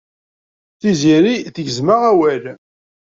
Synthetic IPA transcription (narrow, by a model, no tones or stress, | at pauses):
θiziɾiθəʝəzməʁæwæl